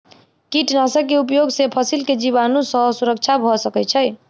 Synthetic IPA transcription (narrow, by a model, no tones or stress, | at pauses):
kiʈnasəkːeupjoɡsepʰəsilked͡ʒiβanũsəɦsuɾək̚t͡ʃʰabʱɔsəkɛt͡ʃʰəj